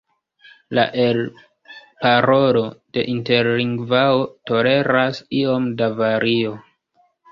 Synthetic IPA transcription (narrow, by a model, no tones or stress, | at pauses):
la̰ʔe̞l | paɾo̞lo̞de̞̰ʔinte̞ɾliŋɡvaoto̞le̞ɾasio̞mdavaɾio̞